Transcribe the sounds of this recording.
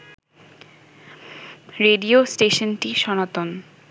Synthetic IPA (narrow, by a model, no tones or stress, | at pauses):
ɾeɖiosʈeʃonʈiʃɔnat̪on